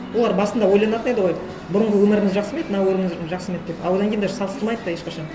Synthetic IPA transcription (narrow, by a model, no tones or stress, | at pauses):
wo̞lˠɑɾbɑsənd̪ɑwo̞jlˠɑnɑt̪əne̞d̪ɪʁoj | bʊɾəɴʁəwɵmɪɾɪŋɪzʒɑqsəmet̪ɪnɑwɵɾɪŋɪzʒɑqsəmet̪d̪epɑwo̞d̪ɑŋkʰʲend̪ɑsɑlˠəst̪ɾˠmɑjd̪əd̪ɑje̞ʃqɑʃɑn